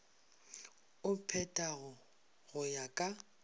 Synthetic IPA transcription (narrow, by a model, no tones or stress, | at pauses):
ʊpʰɛtʼaɣʊ | ɣʊjakʼa